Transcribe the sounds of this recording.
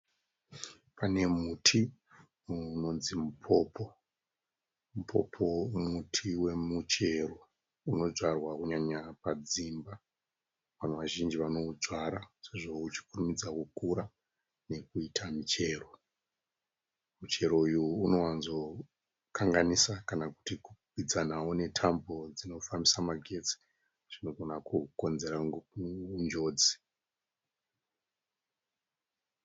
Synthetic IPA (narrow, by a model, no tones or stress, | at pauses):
pane̞mutʰi | no̞nzimupʰo̞pʰo̞ | mupʰo̞̰pʰo̞mutʰiwe̞mut͡ʃe̞ro̞ | uno̞d͡zwarwakuɲaɲapad͡zimba | ʋan̤uʋaʒind͡ʒiʋano̞d͡zwaɾase̞ʐo̞ut͡ʃi̥kurumid͡zakukuɾa | ne̞kuitʰamit͡ʃe̞ːro̞ | mut͡ʃe̞ɾo̞ujuːno̞wanzo̞ | kʰaŋɡanisakanaku̥tikupid͡zanawone̞tʰambo̞d͡zino̞fambisamaɡʱe̞t͡si̥ | ʐ̥ino̞ɡʱo̞nakuko̞nze̞ɾa | und͡ʒo̞ːd͡zi̥